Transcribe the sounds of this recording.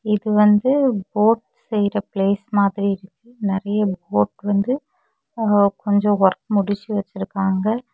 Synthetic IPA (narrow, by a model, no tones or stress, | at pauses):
ɪðɯʋɐnd̪ɯboːʈ | sɛjɾɐpleːsmaːðɪɾiɪɾɯkːɯnɪɾɐjɐboːʈʋɐnd̪ɯ | kɔɲd͡ʒɔ̃ʋɐɾkmʊɽɪt͡ʃːiʋɐt͡ʃːɪɾɯkːaːŋɡɐ